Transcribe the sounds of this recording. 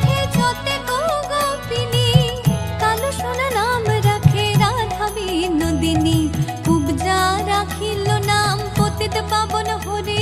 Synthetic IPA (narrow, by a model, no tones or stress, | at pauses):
ed͡ʒɔt̪eɡoɡot̪inikaloʃonanamɾakʰeɾad̪ʱabinod̪inikubd͡ʒaɾakʰilonampot̪it̪epabonɦoɾe